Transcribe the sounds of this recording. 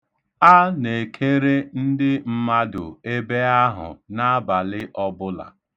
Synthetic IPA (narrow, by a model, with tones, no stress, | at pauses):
a˦ne˨kʰe˦ɾe˦n̩˦dɪ˦m̩˦ma˦dʊ̰˨e˦be˦a˦ɦʊ̰˨na˦a˦ba˨lɪ˦ʔɔ˦bʊ˦la̰˨